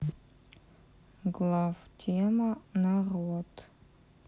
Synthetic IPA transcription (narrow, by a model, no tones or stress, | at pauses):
ɡlavtʰemanaʁwatʰʼ